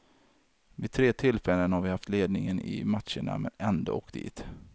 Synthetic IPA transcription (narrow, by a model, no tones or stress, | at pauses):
vɪt̪ʰɾeːt̪ʰɪlfɛlːənhaɾvɪhaft̪leːd̪̚nɪŋənɪmat̪ʂəɳa̰mɛnɛnd̪o̰ɔkd̪̥ḭːt̪